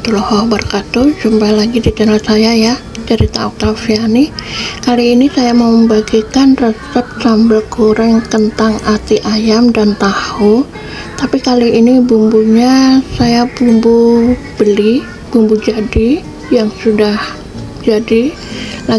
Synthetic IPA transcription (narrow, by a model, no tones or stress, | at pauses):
t̪ulɔhɔbərkat̪ud͡ʒumpalaɡidit̪ənalsajaja | d͡ʒaɾit̪auk̚t̪afianikaliːnisajaməmbaɡikanrəsɛp̚sambəlkoɾaŋkənt̪aŋʔat̪iʔajamdant̪ahu | t̪apikaliːnibumbuɲasajabumbu | b̥əli | b̥umbud͡ʒadi | jaŋsudah | d͡ʒadi | la